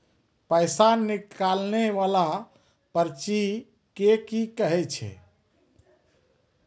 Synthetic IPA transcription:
pəjsanːikalneʋala | pəɾt͡ʃi | kekikəɦɛt͡ʃʰɛ̰

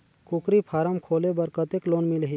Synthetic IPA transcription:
kukɾipʰaːɾəmkʰoːlebəɾkət̪ekloːnmilɦi

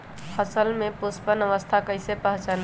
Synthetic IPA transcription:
həsəlmepuspənəʋəst̪ʰakəjsepəɦt͡ʃan

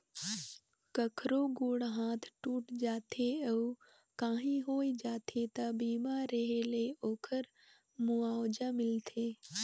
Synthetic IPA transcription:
kəkʰɾoɡʊːɽɦãːt̪ʰʈuːʈd͡ʒaːt̪ʰeəu | kãːɦĩɦoːid͡ʒaːt̪ʰet̪abiːmaɾeɦeleoːkʰəɾ | mʊaːwd͡ʒamɪlt̪ʰeː

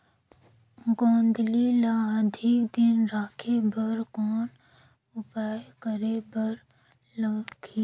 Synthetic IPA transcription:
ɡoːnd̪lilaəd̪ʱɪkd̪ɪnɾaːkʰebəɾkɔːn | ʊpaːjkəɾebəɾ | lɐɡi

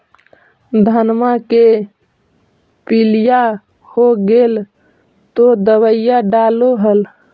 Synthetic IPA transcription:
d̪ʱənmake | pilija | hoɡel | t̪od̪əwəjjaɖaloɦəl

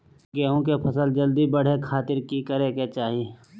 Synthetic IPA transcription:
ɡeːɦõkepʰɐsəld͡ʒəld̪ibəɽ̤ekʰaːt̪ɪɾkikəɾeket͡ʃaːɦie

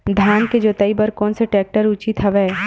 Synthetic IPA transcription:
d̪ʱjaːnked͡ʒoːt̪əibəɾkɔːnseʈɛːk̚ʈəɾʊt͡ʃit̪ɦɐʋɛː

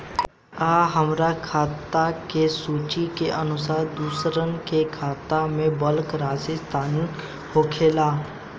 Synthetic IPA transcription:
aːɦəmɾakʰaːt̪akesuːt͡ʃikeʔənʊsaːɾd̪uːsɾənkekʰaːt̪amẽbəlkɾaːsest̪ʰaːni | hoːkʰeːlaː

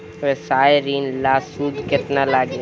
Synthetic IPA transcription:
ʋesaːjɾiːnlaːsuːd̪kɪt̪nalaɡe

